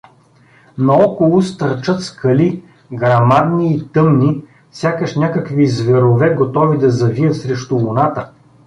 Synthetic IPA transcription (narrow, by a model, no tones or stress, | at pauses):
nɐɔkolˠʊst̪ɐɾt͡ʃɤt̪skʰɐli | ɡɾɐmad̪niːt̪ɤmni | fsʲjakəʃnʲakəkvizvɛɾovɛɡot̪ɔvid̪ɐzɐviət̪sɾɛʃt̪ʊvonat̪ə